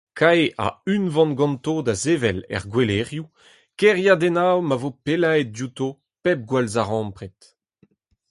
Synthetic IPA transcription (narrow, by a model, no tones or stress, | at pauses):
kʰaeʔa̰ynvɑ̃nɡɑ̃nt̪od̪azevɛlɛ̰ʁɡweleʁju | kɛʁjad̪ɛnawmavopelaet̪̚djut̪o | pɛp̚ɡwalzaʁɑ̃mpʁɛt̪